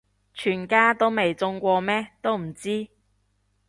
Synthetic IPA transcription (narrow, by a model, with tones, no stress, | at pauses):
t͡ʃʰyː˨˩nkaː˥t̪o˥wme˨jt͡sʊ˧ŋkʷɔː˧mɛː˥t̪o˥wm̩˨˩t͡siː˥